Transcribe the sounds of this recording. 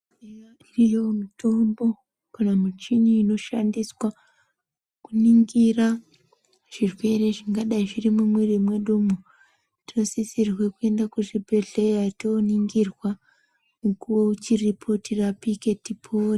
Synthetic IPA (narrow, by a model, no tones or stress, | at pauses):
eja | irijo̞mutʰo̞mbo̞ | kanamut͡ʃiniːno̞ʃandiswa | kuniŋɡira | ʐ̥irwe̞ɾe̞ʐiŋɡaɗaiʐirimumwerimweɗumu | tino̞sisirwekue̞ndakuʐibʱe̞ɮe̞jatoniŋɡirwa | mukuwout͡ʃiripʰo̞tʰirapike̞tipʰori